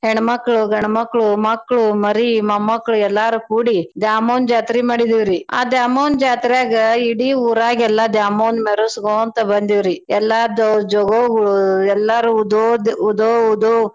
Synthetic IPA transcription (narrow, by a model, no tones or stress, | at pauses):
hɛɳɐmɐkːɐɭuɡɐɳɐmɐkːɐɭumɐkːɐɭumɐɾimɐmːɐkːɐɭuɛlːaːɾukuːɽid̪jaːmoːnd͡ʒaːt̪ɾimaːɽid̪iʋɾia̰ːd̪jaːmɐːnd͡ʒaːt̪ɾijaːɡɐiɽiuːɾaːɡɛlːɐd̪jaːmoːnmeɾusɡoːɐnt̪ɐbɐnd̪iʋɾiɛlːad̪ɔd͡ʒɔɡoɡɐɭuɛlːaɾud̪od̪ud̪oːud̪o